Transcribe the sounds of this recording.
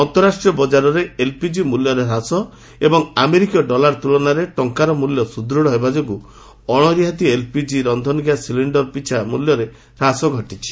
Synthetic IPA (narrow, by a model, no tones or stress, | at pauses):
ɔnt̪ɔɾasʈɾijɔbɔd͡ʒaɾɔɾeelpid͡ʒimuljɔɾeɾasɔ | ebɔŋameɾikɔɖɔlaɾt̪ulɔnaɾeʈɔŋkaɾɔmuljɔsud̪ɾɔɽɔɦebad͡ʒoɡu | ɔɽ̃ɔɾjɦat̪ielpid͡ʒiɾɔnd̪ʱɔnɡjasiliɳɖɔɾpit͡ʃʰamuljɔɾe | ɾasɔɡʱɔʈit͡ʃʰi̥